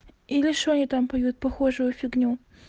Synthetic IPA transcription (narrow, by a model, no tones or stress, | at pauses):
ilʲɪʂonʲɪt̪ampɐjut̪̚pɐxoʐʊjʊfʲɪɡnʲu